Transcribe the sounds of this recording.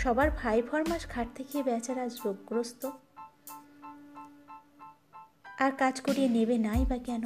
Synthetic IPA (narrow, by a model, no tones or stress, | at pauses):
ʃɔbaɾbʱajfʰɔɾmaʃɡʱaʈ̚t̪ʰekiebɛt͡ɕaɾad͡ʑoɡːɾost̪o | aɾkad͡ʑkoɾienebenajbakɛno